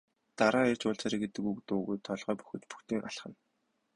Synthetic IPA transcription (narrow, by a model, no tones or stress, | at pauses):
t̪aɾaːer̥ʲt͡ɕʊɮt͡saɾiːɡet̪ɘ̆kukt̪ʊːɣujt̪ʰːɔɮʁœːpu̥xɘ̆t̪pu̥xt̪iːŋʔa̰ɬχə̆n